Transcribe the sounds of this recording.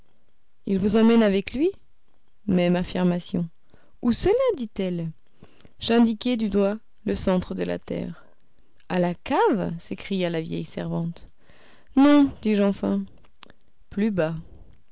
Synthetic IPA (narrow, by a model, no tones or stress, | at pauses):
ilvuzɑ̃mɛnavɛklɥi | mɛmafiʁmasjɔ̃ | usəlad̪it̪ɛl | ʒɛ̃d̪ikɛd̪yd̪wa | ləsɑ̃t̪χəd̪əla̰t̪ɛ̰ːʁ | alakavsekχijalavjɛ̰jsɛ̰ʁvɑ̃t̪ | nɔ̃d̪iʒɑ̃fɛ̃ | plyba